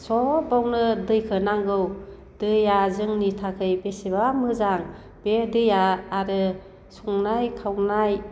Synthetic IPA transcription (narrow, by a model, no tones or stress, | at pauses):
sɔbawnɯdɯjkʰɯnaŋɡɯw | d̥ɯjazɯŋnitʰakʰɯjbesibamɯzaŋ | b̥edɯjaːɾɯ | suŋnajkʰawnaj